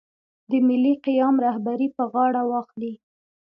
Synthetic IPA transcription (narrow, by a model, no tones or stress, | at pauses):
d̪əmɪlːiqijɑmɾahbaɾipəɣɑɽawɑxli